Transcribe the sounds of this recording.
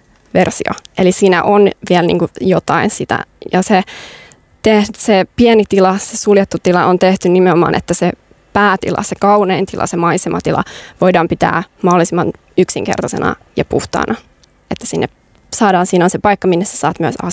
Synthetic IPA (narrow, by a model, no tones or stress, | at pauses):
ʋersio̰ʔelisiːnæʔonʋiɛlnḭːŋkujot̪ɑinsit̪æ̰jɑse | t̪ehsepienit̪ilɑsesuljet̪ːut̪ilɑʔont̪eht̪ynnimeomɑ̰ːnʔḛt̪ːæse | pæːt̪ḭlʔɑ̰sekɑuneːnt̪ilʔɑ̰semɑisemɑ̰t̪ilɑ̰ʋoidɑːmpit̪æ̰ːmɑholːˑisimːɑn | yksiŋkḛrt̪ɑsḛnɑ̰ | jɑpuht̪ɑ̰ːnʔɑ | et̪ːæsinːep | sɑːdɑːnsiːnonsepɑikːɑminːesse̥sɑːt̪myæsɑ̰